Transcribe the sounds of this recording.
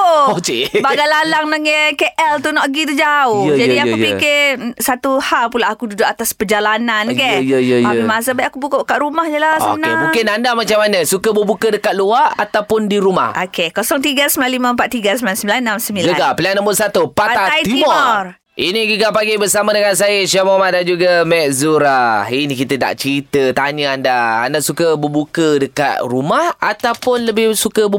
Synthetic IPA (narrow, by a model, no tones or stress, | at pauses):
oot͡ʃebaɡalalaŋnaŋɛkeʔɛlt̪unɔʔɡit̪əd͡ʒaʊhd͡ʒadiakupikɛsat̪uhalpulaakududʊʔat̪aspərd͡ʒalanankɛjaimas̬əbajʔakubukəkaʔɾumahɲəlasnemũkɪnandamat͡ʃamanə̃sukəbəbukədəkat̪̚luaat̪awpʊndiɾuma̰hʔokʰekosɔŋt̪iɡasəmbilalimə̃əmpat̪̚t̪iɡasəmilansəmbilannːamsəmbilɡəaɡapəliaŋnambʊʔsat̪upataaait̪imɔmɔr | ʔiniɡiɡapaɡibəsamadəŋans̬ajəʃamamaʔ̚dand͡ʒuɡamɛʔzuɾainikit̪əna̰ʔt͡ʃəɾit̪ət̪aɲəandaa̰ndaʔsukəbəbukədəka̰t̪̚rumahat̪awpʊnləbɪhsukəbə